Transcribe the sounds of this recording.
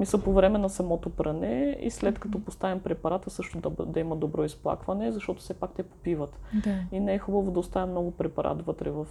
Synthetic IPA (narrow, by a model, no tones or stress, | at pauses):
misəlˠpovɾɛmɛnɐsɐmɔt̪opɾɐnɛḭslɛt̪kɐt̪ɔpost̪avimpɾɛpɐɾat̪əsɤʃt̪ʊd̪d̪ɐimɐd̪obɾɔisplˠa̰kvɐnɛzɐʃt̪ɔt̪ʊ̥sɛpak̚t̪ɛpo̥pivət̪inɛɛxubəvod̪ɐʊst̪avɛmnɔɡʊpɾɛpɐɾʔa̰t̪vɤt̪ɾɛvɐf